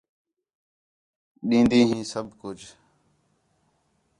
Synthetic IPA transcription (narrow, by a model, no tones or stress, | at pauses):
ɗĩːnd̪iːɦĩːsəb̚ʱkʊd͡ʒ